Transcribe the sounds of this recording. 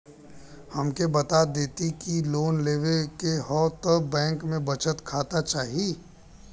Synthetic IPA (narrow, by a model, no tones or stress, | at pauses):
həmkebɐt̪ad̪eːt̪ikiloːnleːʋekeɦɔːt̪ɔbɛ̃ːŋkmẽbət͡ʃət̪kʰaːt̪at͡ʃaːɦii